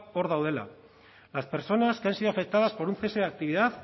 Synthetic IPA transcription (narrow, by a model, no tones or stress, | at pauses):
o̞ɾðawð̞e̞la̰ | laspe̞ɾt͡so̞naskensioafe̞k̚t̪aðaspo̞ɾunθeseak̚t̪iβ̞iðað